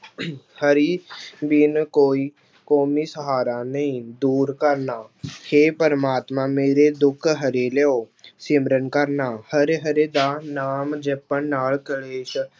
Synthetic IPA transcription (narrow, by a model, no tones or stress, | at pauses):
həɾibinkoːi | koːmiːsəɦaːɾanəĩd̪uːɾkəɾnaːheːpəɾəmaːt̪mãmeːɾed̪ʊkʰɦəɾeːleosɪmɾənkəɾnaːhəɾeɦəɾed̪aːnaːmd͡ʒepːənːaːlkəɭeːʃ